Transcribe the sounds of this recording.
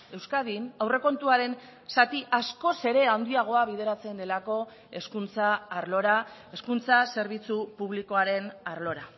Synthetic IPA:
e̞wskaðinawre̞ko̞nt̪uaɾe̞n | sat̪iʔasko̞se̞ɾe̞and̪iaɣ̞o̞aβ̞iðe̞ɾat͡se̞nd̪e̞lako̞ | e̞skunt͡saːɾlo̞ɾa | e̞skunt͡sase̞ɾβ̞it͡supuβ̞liko̞aɾe̞naɾlo̞ɾa

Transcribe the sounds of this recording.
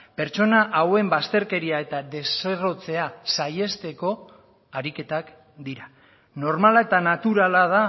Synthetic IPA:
pe̞ɾt͡ʃo̞naʔawe̞mbast̪e̞ɾke̞ɾiae̞t̪ad̪e̞sero̞t͡se̞asaje̞st̪e̞ko̞ | aɾike̞t̪ak | d̪iɾa | no̞ɾmalae̞t̪anat̪uɾalað̞a

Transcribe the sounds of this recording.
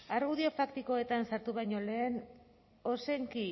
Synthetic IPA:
aɾɣuðio̞fakt̪iko̞e̞t̪ansaɾt̪uβ̞ajɲo̞le̞ːn | o̞se̞ŋki

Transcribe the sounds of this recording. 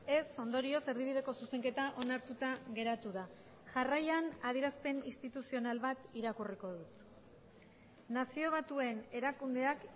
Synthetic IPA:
e̞so̞nd̪o̞ɾio̞seɾðiβið̞e̞ko̞suse̞ŋke̞t̪aʔo̞naɾt̪ut̪aɣe̞ɾat̪uða | ʝarajanaðiɾaspe̞nist̪it̪usio̞nalβat̪iɾakuriko̞ðut̪ | nasio̞β̞at̪ue̞ne̞ɾakund̪e̞ak

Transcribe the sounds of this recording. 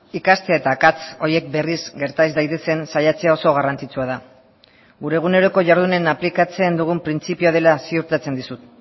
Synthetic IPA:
ikast̪eaet̪aːkat͡so̞ɾje̞k̚be̞risɡe̞ɾt̪azd̪ajt̪e̞se̞nsajat͡se̞ao̞so̞ɣ̞arant͡sit͡suað̞a | ɡuɾe̞ɣ̞une̞ɾo̞ko̞ʝaɾð̞une̞naplikat͡se̞nd̪uɣ̞umpɾint͡sipioð̞e̞lasiuɾt̪at͡se̞nd̪isut̪

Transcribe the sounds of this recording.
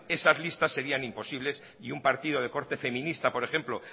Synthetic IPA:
e̞sazlist̪asːe̞ɾianimpo̞siβ̞le̞s | iumpaɾt̪ið̞o̞ð̞e̞ko̞ɾt̪efe̞mĩnist̪apo̞ɾe̞xe̞mplo

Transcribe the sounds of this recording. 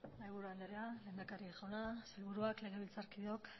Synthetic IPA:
najβuɾuand̪eɾeale̞ːnd̪akariʝanaselβuɾuakle̞ɣ̞e̞βilt͡saɾkiðo̞k

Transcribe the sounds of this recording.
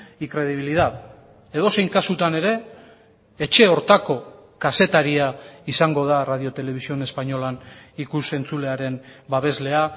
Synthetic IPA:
iŋkɾe̞ð̞iβ̞iliðað | e̞ð̞o̞se̞jŋkasut̪ane̞ɾe̞ː | t͡ʃe̞o̞ɾt̪ako̞kase̞t̪aɾiaisaŋɡo̞ðarað̞io̞t̪e̞le̞βisio̞ne̞spaɲo̞lanikuse̞nt͡sule̞aɾe̞mbaβ̞e̞zle̞a

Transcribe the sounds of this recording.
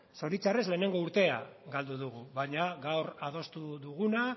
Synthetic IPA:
so̞ɾit͡sare̞zle̞ːne̞ŋɡo̞uɾt̪e̞a̰ɡald̪uðuɣuβaɲaɣawɾað̞o̞st̪uðuɣuna

